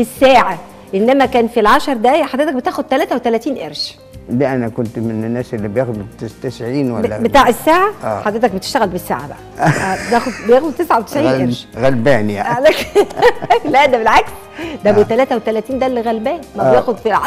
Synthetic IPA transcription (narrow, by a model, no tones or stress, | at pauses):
esːæːʕa | ʔenːæmækæːnfilʕɑʃɑɾˤd̪æħad̪ɾet̪æk̚bet̪æːxod̪̚t̪ælæːt̪æwet̪ælæt̪iːnʔeɾʃ | læʔænækont̪menenːæːsʔelːibejæːxd̪t̪ːest̪esʕiːnwæblːæbet̪aːʕesːaːʕaʔːħɑd̪ɾet̪æk̚bet̪e̥ʃt̪æɣælbesːa̰ːʕa̰bæ̰ʔæʔæːbet̪æːxod̪bejæːxubt̪esʕawet̪eʃʕiːʔeɾʃɣælbæːnija̰ʕilæk | klʔæʔd̪æbelʕaks | d̪æbot̪ːælæːt̪æwet̪ælæt̪iːnd̪ælːeɣælbæːnimæbejæːxod̪filʕɑ